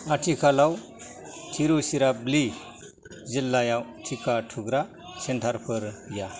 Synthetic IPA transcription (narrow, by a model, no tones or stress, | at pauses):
aʈʰikʰalaw | tʰiɾusiɾabli | zilːajawtʰikatʰuɡɾa | sentʰaɾpʰɯɾbija